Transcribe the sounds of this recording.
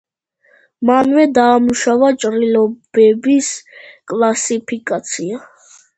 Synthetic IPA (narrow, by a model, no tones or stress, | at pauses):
manvɛd̪aːmuʃavat͡ʃʼɾilɔbɛbiskʼlˠasipʰikʼat̪sʰia